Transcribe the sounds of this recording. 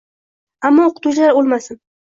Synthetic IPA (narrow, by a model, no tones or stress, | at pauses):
amːɒoqʊ̥t̪ʰʊd͡ʒlaɾolˠmasɪn